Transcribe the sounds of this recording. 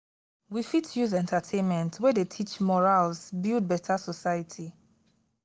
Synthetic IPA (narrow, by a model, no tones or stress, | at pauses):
wifitʰjuzɛ̃ntʰatʰẽnmɛ̃ntʰwɛdetʰit͡ʃmɔɹalsbild̚bɛtʰasɔsajatʰi